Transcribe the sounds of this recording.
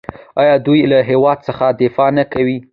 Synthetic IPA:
ɑjɑd̪ujlaɦewɑd̪̚səxad̪ɪfɑnakawi

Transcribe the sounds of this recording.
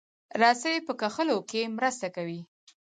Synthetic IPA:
ɾɑsəjepəkaxəlokemɾəst̪akawi

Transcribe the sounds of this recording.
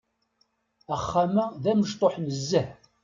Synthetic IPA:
æχːamæðæməʃt̪ˤoħnəzːəħ

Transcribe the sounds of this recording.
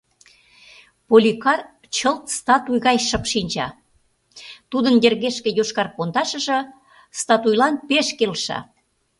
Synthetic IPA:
polʲikɑr | t͡ɕəlt̪st̪ɑt̪ujɣɑjʃə̆pʃinʲt͡ɕɑ̰ | t̪ud̪ənjerɣeʃkĕjoʃkɑrpond̪ɑʃə̆ʒɤ̆ | st̪ɑt̪ujlɑnpeʃkelʃɑ̰

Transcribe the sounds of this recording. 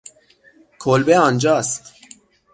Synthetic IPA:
kʰolbeɑnd͡ʒɑːst̪

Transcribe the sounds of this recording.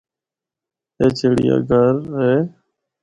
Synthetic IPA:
eːt͡ʃʰeːɽḭːa̰ːɡʱəɾɦeː

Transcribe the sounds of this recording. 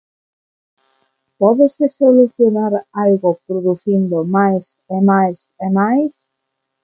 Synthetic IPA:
pɔðesesoluθjonaɾalɣopɾoðuθind̪omajs | emajs | emajs

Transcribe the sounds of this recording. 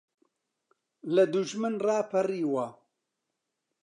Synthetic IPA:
lɐd̪uʒmɨnrɑːpʰɐriːwɐ

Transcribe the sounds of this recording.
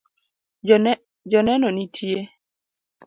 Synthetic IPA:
d͡ʒɔnɛnɔnitʰje

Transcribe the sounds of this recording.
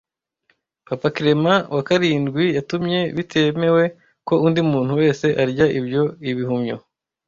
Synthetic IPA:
papakiɾe̞mawʔakaɾiːndɡwijatumɲe̞βitʰe̞me̞we̞ | ko̞undimuːn̥huwe̞ːse̞ʔaɾɟaʔibjo̞iβihumɲo

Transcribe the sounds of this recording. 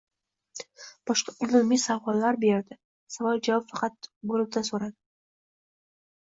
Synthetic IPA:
b̥ɒʃqɑʊlɪmijsavɒlːaɾbeɾd̪ɪ | savɒlˠd͡ʒavɒpfɑqɑt̪̚bolɪb̚d̪asoɾad̪ɪ

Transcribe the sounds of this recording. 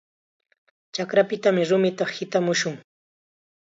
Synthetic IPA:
t͡ʃakɾapɪt̪amɪɾʊmɪt̪ɑχhɪt̪amʊʃʊŋ

